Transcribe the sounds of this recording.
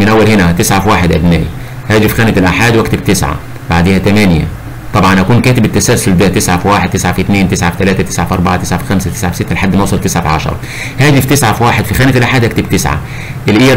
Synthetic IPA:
mɪnʔæwːælhɪnæt̪ɪsʕafiwaːħed̪ʔæbnæ̰ːj | hæːd͡ʒɪfxæːnɪt̪ɪlʔaħaːd̪wækt̪ɪbt̪ɪsʕa̰ | ba̰ʕd̪eːhæt̪æmænjæ̰ | t̪ˤɑbʕɑnʔækuːnkæːt̪ɪbɪt̪ːæsælsʊld̪æt̪ɪsʕafiwaːħɪd̪̚t̪ɪsʕafiʔt̪neːnt̪ɪsʕafi̥t̪ælæːt̪æt̪ɪ̥sʕafʔɑɾˤbɑʕat̪ɪsʕafi̥xæmsæt̪ɪsʕafisɪt̪ːælħad̪ːmæwsˤɑlt̪ɪsʕafiʕɑ̰ʃɑ̰ɾˤɑ̰ | hæːd͡ʒɪft̪ɪsʕafiwaːħed̪fixæːnɪt̪lʔaħaːd̪hækt̪ɪb̚t̪ɪsʕa̰ | ʔɪlʔiː

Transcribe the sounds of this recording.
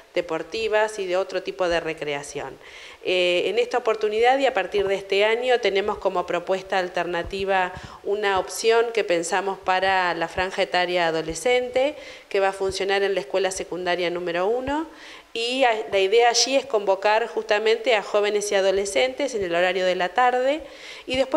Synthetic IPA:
d̪̥epo̞ɾt̪iβasiðeo̞t̪ɾot̪ipo̞ð̞e̞re̞kɾeasjo̞̰n | eːnest̪aopo̞ɾt̪uniðaðiapaɾt̪iɾðeest̪eaɲo̞t̪e̞nẽ̞mo̞sko̞mo̞pɾo̞pwe̞st̪aːlt̪eɾnat̪iβa | unaopsjo̞ŋke̞pe̞nsamo̞spaɾalafɾaŋxaet̪aɾjaːð̞o̞lese̞nt̪e | keβafunsjo̞naɾenlaeskwe̞lasekund̪aɾjanũmeɾo̞uno̞ | ilaiðeaːʒiesko̞mbo̞kaɾxust̪amẽ̞nt̪eaxo̞β̞e̞nesiað̞o̞lese̞nt̪esene̞lo̞ɾaɾjo̞ðe̞lat̪aɾðe̞ | iðe̞spwe

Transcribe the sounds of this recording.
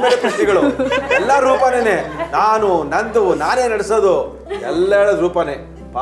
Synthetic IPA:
meːlepisʈːiɡɐɭuɛlːɐɾuːpɐnenenaːnunɐnd̪unaːneːnɐɽesod̪u | ɛ̰lːeɭɐɾuːpɐne | pa

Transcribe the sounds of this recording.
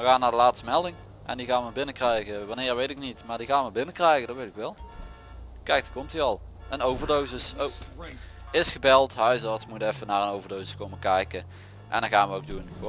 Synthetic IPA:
ʋəɣaːnːaːdəlaːtstəmɛlˠdɪŋ | ʔɛ̰ndiɣaːnʋəbɪnəkrɛjɣəʋɑnɪːɹʋejtɪknitmaːɹdiɣaːnʋəbɪnəkrɛjɣəndɑtʋejtɪkʋɛlˠ | kɛjk̚dkɔmtiɑlˠ | ənowvəɹdowzəso | ɪsχəbɛlˠtɦœɥsɑɹtsmutɛfənaːɹənowvəɹdowsəskowməkɛjkə | ʔɛ̰ndɑnɣaːnʋəowk̚duno

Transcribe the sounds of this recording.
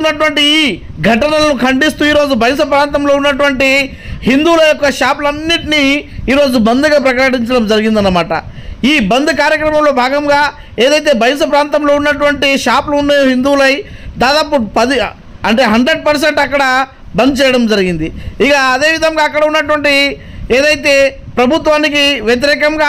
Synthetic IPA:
unːɐʈuʋɐɳʈiː | ɡʱɐʈɐnɐlɐnukʰɐɳɖist̪uːiːɾo̞ːd͡ʒubʱɐjɐs̬ɐpɾaːnt̪ɐmlo̞ːunːɐʈ̬uʋɐɳʈi | hind̪uːlɐjɔkːɐʂaːp̬lɐnːiʈiniiːɾo̞ːd͡ʒubɐnd̪uɡaːpɾɐkɐɐʈiɲt͡ʃɐɽɐmd͡ʒɐɾiɡind̪ɐnːɐmaːʈɐ̰ | iːbɐnd̪ɐkaːɾjɐkɾɐmɐmlo̞ːbʱaːɡɐmɡaː | eːd̪ɐjt̪̬e̞ːbʱɐjɐs̬ɐp̬ɾaːnt̪ɐmlo̞ːunːɐʈ̬uʋɐɳʈiʃaːplɐunːajoɦind̪uːlɐjd̪aːd̪aːpupɐd̪i | ɐɳʈe̞ːɦɐɳɖɾe̞ɖ̚pɐɾs̬eɳʈɐkːɐɽɐ | bɐnd̪ut͡ʃɛːjɐɽɐmd͡ʒɐɾiɡind̪iikɐːd̪e̞ːʋid̪ʱɐŋɡaːkːɐɽɐunːɐʈ̬uʋɐɳʈieːd̪ɐjt̪e̞ːpɾɐbʱut̪ʋaːnikiʋjɐt̪̬iɾɛːkɐŋɡaː

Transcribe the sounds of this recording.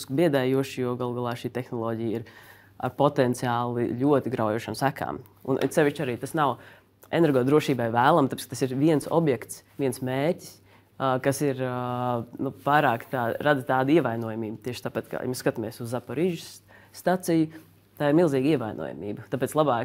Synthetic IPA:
skbiɛd̪aːjuɔʃjuɡalˠɡalˠɑːʃiːt̪ɛxnɔlˠɔːɟijiɾ | a̰ɾpɔt̪ɛnt̪siaːlˠḭʎʲuɔt̪iɡɾaʊjuɔʃamsækʰa̰ːm | ṵnʔt̪sɛʋiʃt͡ʃaɾiːt̪asnaw | eɛnɛɾɡɔːd̪ɾuɔʃiːbajvæːlˠamt̪apetskət̪asiɾviɛnsɔ̰bjɛkt̪sʋiɛnsmeːɾtʲi̥s | kasiɾ | nupajɾaːkt̪aːɾad̪t̪aːd̪iɛvajnuɔjamiːbt̪iɛʃt̪aːpat̪ka̰j̰mɛskat̪amiɛsuzːapɔɾiːʒʊsː | t̪at̪sijʊ | t̪aːɪɾmilˠziːɡiɛʋajnʔṵɔ̰ja̰mḭːbt̪aːpɛːtslˠabaːk

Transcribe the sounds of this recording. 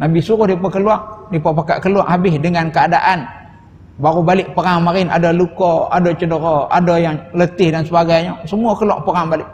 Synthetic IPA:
nabisuɾʊhdipakəluaŋdipapaka̰ʔkəlua̰ʔhabɪhdəŋankəadaʔan | baɾubalɪʔpəɾaŋmaɾɪna̰dɔlukɔa̰dot͡ʃədəɾɔa̰dɔjaŋlət̪ɪhdansəbaɡajɲɔsəmuakəlua̰ʔpəɾaŋbalɪʔ

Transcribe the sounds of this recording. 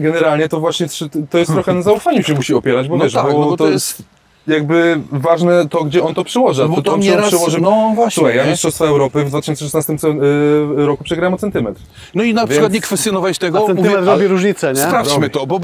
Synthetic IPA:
ɡɛnɛɾalɲɛt̪ɔvwaɕɲɛt̪ʂt̪ɔjɛst̪ɾɔxɛnɛzaufaɲuɕɛmuɕiɔpʲjɛɾad͡ʑbɔvvɛʃabɔb̪ɔɔt̪ɔjɛst̪ | jaɡbɘvaʐnɛt̪ɔɡd͡ʑɛʔɔnt̪ɔpʂɨwɔʐɨbɔt̪ɔɛʂɨwɔʐɨnɔvwawɛjamʲist̪ʂɔst̪faɛwɾɔpɘvd̪vat̪ʃɕɔnɨsɛʂɛsnast̪ɨmsɛ | ɾɔkupʂɛɡɾajɛmɔt̪sɛnt̪ɘmɛt̪ɾ | nɔinapʂvɨkwat̪ɲɛkfɛst̪jɔnɔvajʃt̪ɛɡɔsɛnɛt̪ɾɔvjiɾuʒɲit̪sɐɲɛsɾafmɨt̪ɔbɔ

